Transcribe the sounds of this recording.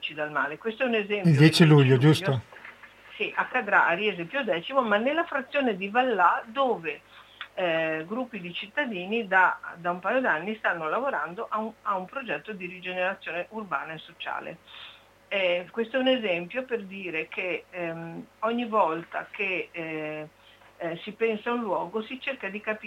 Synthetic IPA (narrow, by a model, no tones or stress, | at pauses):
t͡ʃid̪alma̰ːlekwest̪oɛunezɛmildj̪jɛːt͡ʃiluʎːod͡ʒuso | siʔakːad̪ɾaʔaɾiezempjod̪ɛːt͡ʃimomanːelːafɾat̪sːjoːned̪ivalːad̪oːve | ɡɾupːid̪it͡ʃit̪ːad̪iːnid̪ad̪aumpaːjod̪anːist̪anːolavoɾand̪oʔaaumpɾod͡ʒɛt̪ːod̪iɾid͡ʒeneɾat̪sːjoːneʔurbaːnaesot͡ʃa̰ːlḛ | ɛkwest̪oɛunezɛmpjoperd̪iːɾekʰe | ɔɲːivɔlt̪a̰ke | sipɛnsaunlwɔːɡosit͡ʃerkad̪ikapi